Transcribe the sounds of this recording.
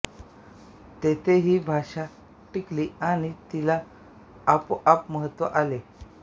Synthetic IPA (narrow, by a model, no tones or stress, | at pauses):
t̪et̪ʰeɦiːbʱaʂa | ʈikliːaɽ̃it̪ilaː | poapməɦət̪ʋə̰ʔale